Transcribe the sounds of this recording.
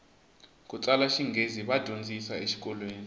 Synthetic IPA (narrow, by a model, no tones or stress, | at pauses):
k̬ʼut͡sʼalaʃiŋɡʱeziɓad̥ʱond͡zʱisaeʃi̥k̬ʼɔlweːni